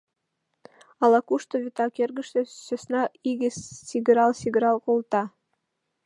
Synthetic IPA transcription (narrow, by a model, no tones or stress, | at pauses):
ɑlɑkuʃt̪oβʲit̪ɑkerɡə̆ʃt̪ĕsøsnɑiɡɘsiɡɾɑlˠsʲiɡɾɑlˠkolˠt̪ɑ